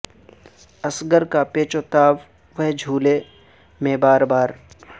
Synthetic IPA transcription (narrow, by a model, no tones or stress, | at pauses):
əsɡəɾkapeːt͡ʃoːt̪aːʋ | ʋəɦd͡ʒʱuːle | mẽbaːɾbaːɾ